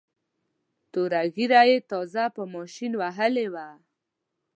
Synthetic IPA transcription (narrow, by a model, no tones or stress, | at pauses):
t̪oɾaɣiɾajet̪ɔzapəmɔʃinwaɦəlewa